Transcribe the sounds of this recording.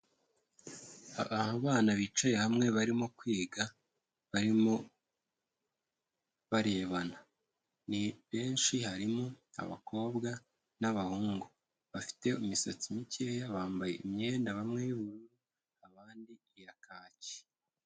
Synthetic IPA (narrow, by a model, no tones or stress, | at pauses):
aβahaβaːnaβit͡ʃojehamŋe̞βaɾimokwiːɡa | βaɾimo | βaɾe̞ːβana | niβe̞ːnʃihaɾimoa̰βa̰kʰo̞ːbɡa | naβahuːŋɡu | βafi̥te̞umisot͡simicejaβaːmbaje̞̰ʔimɲe̞ːndaβamŋe̞juβuɾu | aβaːndi | jakaːce̥